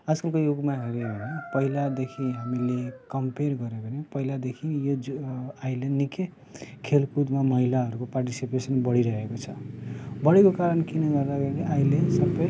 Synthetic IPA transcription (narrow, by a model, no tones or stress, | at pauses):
ʌd͡zkʌlkojoɡmaɦeɾebʱʌnepʌɦilad̪ekʰĩɦamilekʌmperɡʌɾebʱʌnepʌɦilad̪ekʰijoajlenike | kʰelkud̪mamʌɦilaɦʌɾukoparʈisipesʌnbʌɽiɾʌɦekot͡sʰʌbʌɽikokaɾʌnkinʌɡʌrd̪aɡʌɾiɾiʔailesʌbːʌj